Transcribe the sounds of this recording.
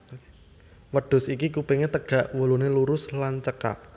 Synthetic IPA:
wəɖ̥ʊ̤sikikupeŋet̪əɡ̥a̤ʔwuluneluɾʊslant͡ʃəka̰ʔ

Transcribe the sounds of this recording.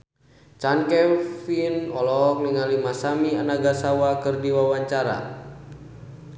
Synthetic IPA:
t͡ʃankɛfinɔlɔk̚niŋalimasamianaɡasawakɨrdiwawaɲt͡ʃaɾa̰

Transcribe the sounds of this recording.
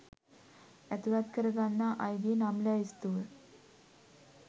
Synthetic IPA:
ɛt̪uɾat̪kəɾɡanːaʔajɡenamljaist̪uːɾ

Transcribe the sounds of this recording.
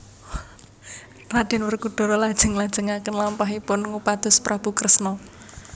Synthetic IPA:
rad̥ɪ̤nwərkuɖ̪̥ɔ̤ɾɔlad̥ʒ̥ə̤ŋlad̥ʒ̥ə̤ŋakənlampaɦipʊnŋupad̪̥ɔ̤spɾʔab̥ukɾəsnɔ

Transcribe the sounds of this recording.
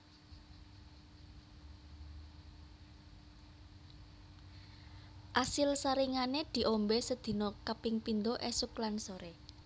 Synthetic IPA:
ʔasɪlsaɾiŋaned̪̥i̤ʔombesəd̪̥i̤nokəpɪŋpind̪oʔesʊklansoɾe

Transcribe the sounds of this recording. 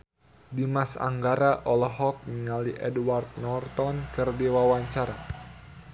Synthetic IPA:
dimasa̰ŋɡaɾaʔɔlɔɦɔk̚məŋaliʔɛdwart̪̚nɔrt̪ɔnkərdiwawaɲt͡ʃaɾa

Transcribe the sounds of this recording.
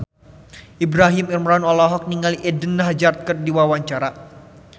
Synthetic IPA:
ʔibɾaɦɪmirmɾanɔlɔɦɔk̚niŋaliʔɛdənːaɦd͡ʒart̪̚kərdiwawaɲt͡ʃaɾa

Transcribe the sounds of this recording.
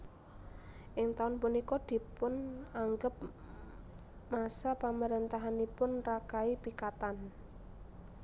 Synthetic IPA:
ʔɪŋt̪aʊnpunikɔd̪̥i̤pʊnaŋɡəp̚ | masapamaɾent̪aɦanipʊnrakaipikat̪an

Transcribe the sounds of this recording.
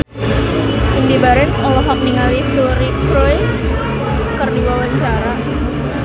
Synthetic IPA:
indibaɾɛnsɔlɔfɔk̚niŋalisuɾipɾɔjs | kərdiwawaɲt͡ʃaɾa

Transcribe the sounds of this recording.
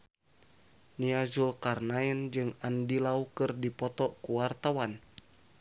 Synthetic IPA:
niazulkarnaɛnd͡ʒɨŋandilaukɨrdipɔt̪ɔkuwart̪awan

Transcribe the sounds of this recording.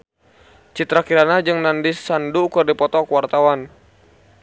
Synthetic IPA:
t͡ʃit̪ɾakiɾanad͡ʒɨŋnandisːandukɨrdipɔt̪ɔkwart̪awan

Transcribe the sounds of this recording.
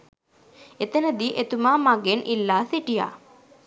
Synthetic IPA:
et̪ənəd̪iʔet̪umaːmaɡenʔilːaːsiʈija̰

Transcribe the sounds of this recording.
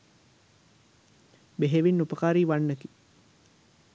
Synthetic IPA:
beɦeʋinːupəkaːɾiːʋanːəki

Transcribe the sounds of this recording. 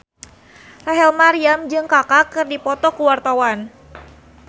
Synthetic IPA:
raɦɛlmaɾiamd͡ʒɨŋkakakɨrdipɔt̪ɔkuwart̪awan

